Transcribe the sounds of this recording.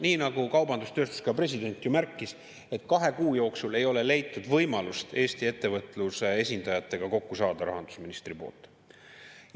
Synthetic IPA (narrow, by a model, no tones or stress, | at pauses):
niːnɑɡ̥ukɑwbɑnd̪̥ust̪øːst̪u̥skɑpre̞s̬ʲid̪e̞nʲt̪ːˑjumærkːˑis | e̞t̪ːkɑɦe̞kuːjo̞ːksule̞jo̞le̞le̞jt̪ːˑud̪vɤjmɑlust̪e̞ːst̪ie̞t̪ːe̞vɤt̪ːˑlusee̞sʲind̪ɑjɑt̪ːe̞ɡ̥ɑko̞kːusɑːd̪̥ɑɾɑɦɑnd̪̥u̥sminist̪ripo̞̰ːlt̪ːˑ